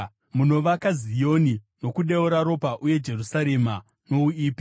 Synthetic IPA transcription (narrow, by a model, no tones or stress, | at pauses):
muno̞ʋakazijo̞ni | no̞kuɗeuɾaɾo̞paʔuje̞d͡ʒe̞rusaɾe̞ma | no̞uiːpi̥